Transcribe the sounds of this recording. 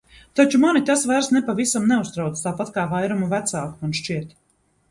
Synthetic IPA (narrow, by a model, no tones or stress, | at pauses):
t̪at͡ʃumanit̪asvaɾsnɛpavisamnɛust̪ɾawt̪st̪aːpat̪kaːvajɾumuvæt̪saːkuunʃt͡ʃiɛt̪